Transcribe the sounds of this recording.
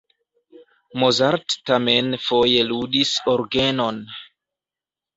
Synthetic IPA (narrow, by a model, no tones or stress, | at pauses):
mozaɾtːamenfo̞jeludisoɾɡeno̞n